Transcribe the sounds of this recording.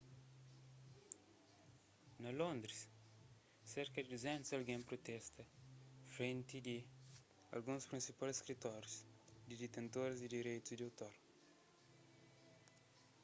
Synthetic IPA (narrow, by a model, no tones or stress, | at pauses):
nɐlõnd̪ɾis | seɾkɐd̪id̪uzɛ̃nt̪uzɐlɡẽmpɾot̪ɛst̪ɐfɾẽnt̪id̪i | ɐ̰lɡũspɾĩnsipalskɾit̪ɔɾjusd̪id̪it̪ẽnt̪oɾzd̪id̪iɾejt̪uzd̪iawt̪oɾ